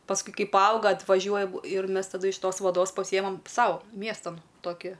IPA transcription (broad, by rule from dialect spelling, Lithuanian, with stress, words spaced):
pɐsˈkʊɪ ˈkɐɪ pɐˈɐʊɡɐ ɐtʋɐˈʒʲuɔjɛm ɪr ˈmʲɛs tɐˈdʊ ɪʃ ˈtoːs ʋɐˈdoːs pɐˈsʲɪjɛmɐm ˈsɐʊ ˈmʲiɛstɐn ˈtoːkʲɪ